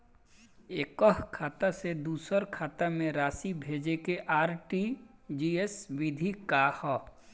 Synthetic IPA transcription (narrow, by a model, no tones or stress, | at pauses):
eːkəɦkʰaːt̪ased̪uːsəɾkʰaːt̪amẽɾaːsibʱeːd͡ʒekeʔaːɾʈid͡ʒiːesʋɪd̪ʱikahɔː